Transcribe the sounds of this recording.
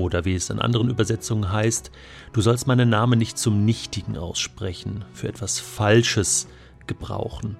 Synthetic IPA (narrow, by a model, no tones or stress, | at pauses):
oːdɐviːɛsa̰nʔa̰ndəʁ̞ənyːbɐzɛt͡sʊŋənɦaɪst | d̥uːzɔlstmaɪnənnaːmənːɪçtt͡sʊmnɪçtɪɡŋ̩ʔa̰ʊsʃpʁ̥ɛçn̩fyːɐʔɛtv̥asfalʃəs | ɡ̥əbʁa̰ʊxn̩